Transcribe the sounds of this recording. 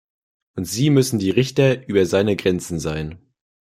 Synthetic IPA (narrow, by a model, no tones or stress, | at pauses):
ʔʊntz̥iːmʏsn̩diːʁɪçtɐʔyːbɐzaɪnəɡʁɛnt͡sn̩zaɪn